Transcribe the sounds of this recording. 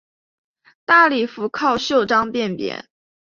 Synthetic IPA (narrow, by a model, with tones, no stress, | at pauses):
t̪a˥˩li˨˩fu˧˥kʰɑ˥˧ʊɕjo˥˩ʊʈ͡ʂɑ˥ŋpjɛ˥˩npjɛ̰˧˥˦n